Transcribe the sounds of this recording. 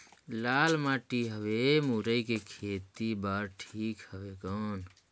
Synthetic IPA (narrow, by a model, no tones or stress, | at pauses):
lalmaʈiɦəbemuɾəjkekʰet̪ibaɾʈʰikhəbekən